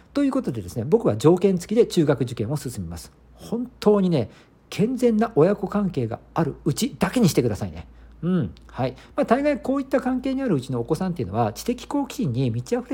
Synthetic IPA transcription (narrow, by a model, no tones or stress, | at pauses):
t̪o̞jɯ̟ːko̞t̪o̞d̪e̞d̪e̞sɨne̞bo̞kɯ̟βad͡ʑo̞ːkẽ̞nt͡sɨ̥kʲid̪e̞t͡ɕɨːɡakɯ̟ʑikẽ̞ɰ̃o̞sɨsɨmʲima̰sɨ̥ | hõ̞nt̪ʰo̞ːɲ̟ine̞ | kʰẽ̞nd͡zẽ̞nːaʔo̞jako̞kãŋke̞ːɡa̰aɾɯ̟ɯ̟t͡ɕid̪ake̞ɲ̟iɕi̥t̪ekɯd̪asaine̞ɯ̟̃ɴ | haimaːt̪aiɡaiko̞ːit̪ːakãŋke̞ːɲ̟iaɾɯ̟ɯt͡ɕino̞ːko̞sãnt̪e̞iɯ̟no̞βat͡ɕi̥t̪e̞kʲi̥ko̞ːkʲʰĩɲ̟ːimʲit͡ɕiaɸɯ̟ɾe